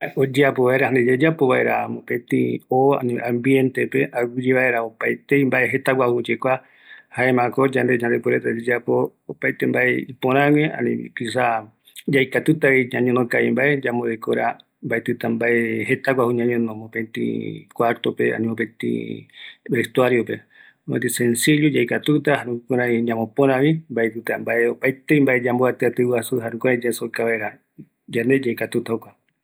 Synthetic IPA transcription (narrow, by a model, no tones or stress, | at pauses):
od͡ʒeapoβaeɾahand̪ed͡ʒed͡ʒapoβaeɾa̰mõpẽt̪ḭ̃oa̰nḭ̃ʔãmbjent̪epeʔaɡid͡ʒiβae̞ɾaopajt̪eimbaʔe̞ɦe̞t̪awʷahud͡ʒekʷa | haemãkod͡ʒand̪ed͡ʒãnd̪epeɾet̪ad͡ʒed͡ʒapoːpajt̪embaʔeipõɾ̃ãwẽʔa̰nḭ̃pisa | d͡ʒajkat̪ɨt̪aiɲãɲõnõkaimbaʔed͡ʒamoðekoɾa̰ | mbaet̪ɨt̪ambaʔeɦet̪akʷahuɲãɲõnõmopẽnt̪ḭkwaɾt̪opḛa̰nĩmobẽt̪ḭ | best̪uaɾjope | et̪isensiʎod͡ʒajkat̪ut̪aɦaɾũkoɾãɲãmõpõɾ̃ãβimbaet̪ɨt̪ambaʔeopat̪eimbaʔed͡ʒamboat̪ɨat̪ɨwasuɦaɾũkoɾad͡ʒasokaβaeɾa | d͡ʒand̪ed͡ʒajkat̪ut̪aokʷa